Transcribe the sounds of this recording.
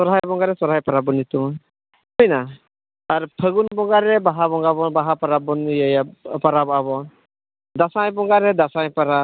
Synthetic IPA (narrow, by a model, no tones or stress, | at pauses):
sɔɾɦajbɔŋɡaɾɛsɔɾɦajpaɾabɔnit̪uŋ | hɔjna | aɾpʰəɡunbɔŋɡaɾɛbaɦabɔŋɡaβɔnbaɦapaɾabɔnjajapaɾabɔaβɔn | d̪asajbɔŋɡaɾɛd̪asajpaɾa